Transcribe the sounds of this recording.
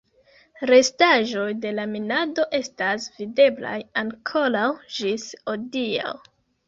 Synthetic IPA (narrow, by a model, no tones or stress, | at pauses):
ɾe̞staʒo̞jde̞laminado̞ʔe̞stasvide̞bla̰jaŋkʰo̞lawʒisodia̰w